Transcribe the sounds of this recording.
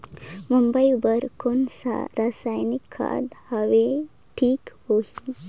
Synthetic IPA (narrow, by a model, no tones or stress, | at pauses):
mumbəjbəɾkonsa̰ɾasajnikʰːa̰d̪haʋe | ʈʰiːkhohi